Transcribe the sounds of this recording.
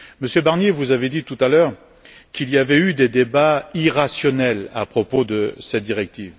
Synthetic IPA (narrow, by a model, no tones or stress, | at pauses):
məsjøbaʁnjevuzaved̪it̪ut̪alœːʁ | kiliavɛyd̪ed̪ebaiʁasjɔnɛla̰pχɔpod̪əsɛt̪̚d̪iʁɛk̚t̪iːv